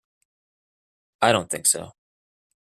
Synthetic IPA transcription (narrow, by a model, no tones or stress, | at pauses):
aɪɾõʊ̃nθɪ̃ŋkso̰ʊ